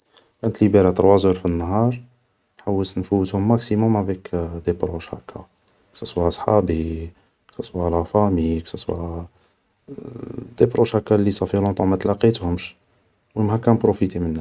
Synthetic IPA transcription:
kænət̪libeɾɑt̪əɾˤwæzʊɾfinːɦɑɾˤ | nħawːət̪nfuwːət̪hʊmːæksimʊmʕvikd̪epɾoʃhæ̰kːæ̰ | ksæswæsˤħɑbi | ksæswælafæmiksæswæ̰ | d̪̥ebɾuʃhækːælːisɑfilɔ̃t̪ˤɑmæt̪lɑqit̪hʊmʃ | wmhækænpɾufit̪imənːæ

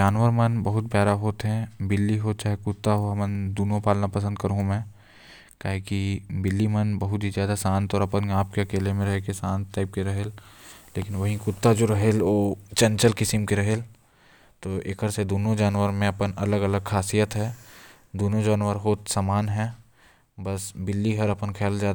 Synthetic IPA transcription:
d͡ʒaːnʋəɾmɐnbɐɦʊt̪̚pjaːɾaɦoːt̪ɦɛ̃bɪlːiɦoːt͡ʃaːɦekʊt̪ːaɦoɐmənd̪uːnõpaːlnapɐsə̃nd̪kɐɾɦũmɛ̃ː | kaːɦekibɪlːimɐnbɐɦʊt̪ɦizjaːd̪asãːnt̪ɔːɾɐpənaːp̚keɐkeːlemẽɾɐɦekesãːnt̪ːaːɪp̚keɾɐɦelleːkɪnʋɐɦikʊt̪ːad͡ʒoɾɐɦeloːt͡ʃɐ̃nt͡ʃəlkɪsimkeɾɐɦel | t̪oːeːkəɾsed̪oːnõd͡ʒaːnʋəɾmẽɐpənɐləɡɐləɡkʰaːsijət̪ɦɛː | d̪oːnõd͡ʒaːnʋəɾɦoːt̪saːmaːnɦɛ̃ː | bɐsbɪlːiɦɐɾɐpənkʰɛːlzjaːd̪

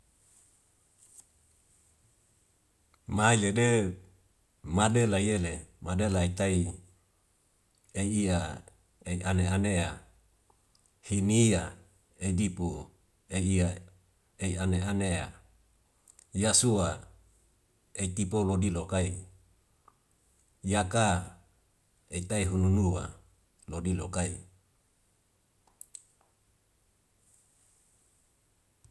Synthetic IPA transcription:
mailede | madelaielemadelait̪ai | eːa | eiʔaneanea̰ | hinia | edipu | eia | eianeanea̰ | jasua | eit̪ipolodilokai | jaka | et̪aiɦununuwa̰ | lodilokai

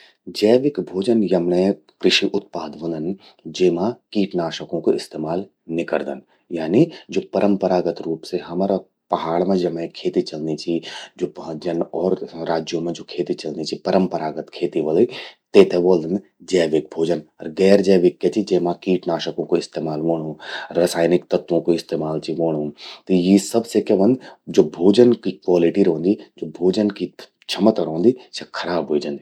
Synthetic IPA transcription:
d͡ʒɛːʋɪkbʱoːd͡ʒənjɐmnɐ̃ | kɾɪʃiʔʊt̪̚paːd̪ʋɐ̃nd̪ən | d͡ʒeːmãkiːʈnaːʃəkõkoɪst̪eːmaːl | nɪkə̰ɾd̪ə̰n | jaːnid͡ʒoːpɐɾʔə̃mpəɾaːɡət̪ɾuːpseɦɐmaːɾa | pɐɦaːɭmẽd͡ʒɐmẽkʰeːt̪it͡ʃɐlnit͡ʃʰid͡ʒoːpd͡ʒɐnɔːɾɾaːd͡ʒjõmẽd͡ʒoːkʰeːt̪it͡ʃɐlnit͡ʃʰipɐɾəmpəɾaːɡət̪kʰeːt̪iʋɐlit̪eːt̪eʋoːld̪ən | d͡ʒɛːʋɪk̚bʱoːd͡ʒənɔ̰ɾɡɛːɾd͡ʒɛːʋɪkːjet͡ʃid͡ʒeːmãkiːʈnaːʃəkõkoɪst̪eːmaːlʋoːɽ̃ũɾɐsaːjnɪkt̪ɐt̪ʋõkoɪst̪eːmaːlt͡ʃiʋoːɽ̃ũt̪ɐjisɐbsekeʋɐ̃nd̪d͡ʒoːbʱoːd͡ʒənkikwaːlɪʈiɾõːnd̪id͡ʒoːbʱoːd͡ʒənki | t͡ʃʰɐmət̪ɾɦõːnd̪isekʰɐɾaːbɦoid͡ʒɐ̃nd̪i

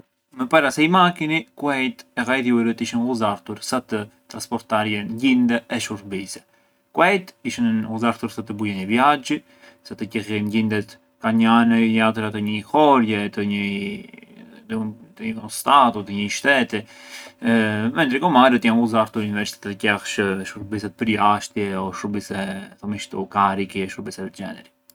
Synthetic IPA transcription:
mɛpaɾasɛjmakinikuɛjt̪ɛɣajðjuɛɾət̪iʃinhuzaɾt̪uɾsat̪ət̪ɾanspɔɾt̪aɾjɛnɲɟind̪ɛʔɛʃuɾbisɛ̥ | kuɛjt̪iʃinnɣuzaɾt̪uɾsat̪əbujɛɲəvjad͡ʒi | sat̪əcɛxɛnɟind̪ɛt̪ | kaɲanəjat̪əɾat̪əɲəxɔɾjɛt̪əɲə | t̪t̪əiust̪at̪ɔt̪əɲəʃt̪ɛt̪i | mɛnd̪ɾɛkɔmaɾət̪januzaɾt̪uɾnvɛɾt͡ʃi̥t̪ɛt̪ɛt̪əcɛxʃʃuɾbisɛt̪̚pəɾjaʃt̪jɛɔʃuɾbisɛθɔmiʃt̪ukaɾikiɛʃuɾbisɛɛt̪d͡ʒɛ̰nɛɾi

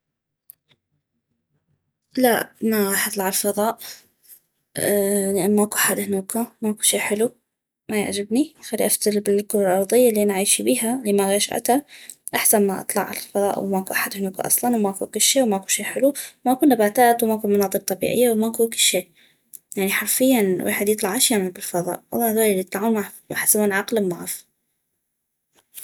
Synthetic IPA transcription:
la̰maɣɑːħʔɑt̪ˤlɑʕɪlfɑðˤɑːʔ | lɪʔanmaʔakuʔaħad̪hɪnuːkamaʔakuʃeːħɪlu | maja̰ʕd͡ʒabnixalːiʔaft̪albɪlkulɪlʔɑɾˤðˤɨjːalːianʕaːjʃibiːɦalimaɣɑʃʔa̰t̪a | ʔaħsanmaʔɑ̰t̪ˤlɑʕa̰lalfɑðˤɑ̰ːʔw̰maʔkuʔaħad̪hnuːka̰ʔɑ̰sˤlɑnwmaʔkṵnkʊlʃeːʔwmaʔakuʃeːħɪlumaʔkuːnːabaːt̪aːt̪wmaʔkuːnmɑnɑːd̪ˤɨq̚t̪ˤɑbḭːʕɪ̰jːawmaʔkuːnkɪlʃeːʔ | jaʕniħɑɾfɪjːanwʔa̰ːħɪd̪jɨt̪ˤlɑʕʔaʃjaːmalbɪlfɑðˤɑ̰ːʔwɑ̰lˤːɑhðaːlɪlːijt̪ˤlɑʕuːnmamaħsamanʕɑqlɪmːaʕf

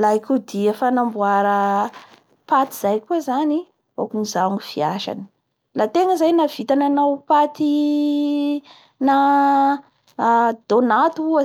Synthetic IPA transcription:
laikud̪iefanambuaɾə | pat̪i̥z̥ajkuəzani | o̰kunizaŋufiaʃa̰ni̥ | lat̪eŋəzajnav̥it̪ananawpat̪i | na | d̪̥onat̪uuə

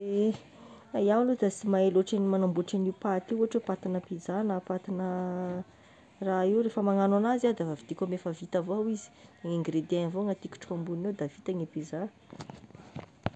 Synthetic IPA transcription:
e | ajawlud̪asimaeloʈ͡ʂanimanambuʈ͡ʂanipat̪iuɦaʈ͡ʂepat̪inəpizanapat̪inə | raiwɾefəmaŋananazad̪avavid̪̥ikʲomefəvit̪avowizi̥aŋeŋɡred̪envoŋat̪ikʲu̥ʈ͡ʂambunewd̪avit̪aŋepiza

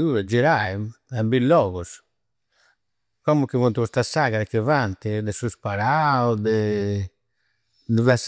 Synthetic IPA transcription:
uːɾɛd͡ʒiɾaim | ambilːɔːɣɔs | kɔmukːivuɔnt̪uust̪asaːɣaɾɛkːivant̪id̪ɛsuspaɾaud̪ɛ | d̪ɛvɛs

